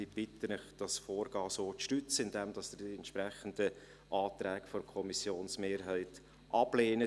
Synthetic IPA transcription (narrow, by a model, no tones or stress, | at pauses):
ib̥ɪtənɪχd̥ɑsfoːɾɡ̥ɑːsoːtʃtʏt͡səɪndɛmd̥ɑsd̥əɛntʃpɾɛχənd̥ə | ʔɑːtɾɛːkfɔɾkʰɔmisjoːnsmeːɾɦæɪt | ʔɑb̥leːnə